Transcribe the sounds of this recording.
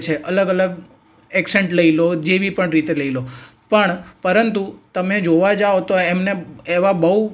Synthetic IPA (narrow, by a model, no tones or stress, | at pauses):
t͡ʃʰeʔələɡələɡ | ɛkseɳʈləilod͡ʒeʋipəɳɾit̪eləilopəɳpəɾənt̪ut̪əmed͡ʒoʋad͡ʒaot̪oemneeʋabəɦu